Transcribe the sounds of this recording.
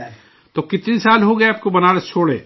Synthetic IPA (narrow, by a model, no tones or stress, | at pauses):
t̪okɪt̪nisaːlɦoɡɐeaːp̚kobɐnaːlet͡ʃʰoːɽḛː